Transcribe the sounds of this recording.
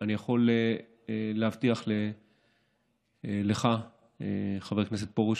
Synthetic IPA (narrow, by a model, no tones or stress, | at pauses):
anijaχo̞le | lehavt̪iaχle | leχa | eχave̞knes̬et̪̚poʁuʃ